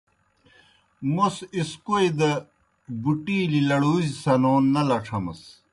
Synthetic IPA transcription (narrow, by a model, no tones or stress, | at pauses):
musiskoid̪ɐ | buʈiːlilɐɽuːzisɐnoːnːɐlɐʈ͡ʂʰɐmɐ̰s